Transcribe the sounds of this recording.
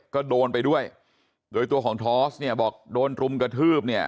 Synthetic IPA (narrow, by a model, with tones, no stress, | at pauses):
kɔː˥˩doː˧npa˧jdu˥˩əj | doː˧jt̪u˧əkʰɔː˩˦ŋt̪ʰɔː˦˥sni˥˩ɐbɔː˨˩k̚doː˧nɾu˧mkɾa˧t̪ʰɯː˥˩p̚ni˥˩ɐ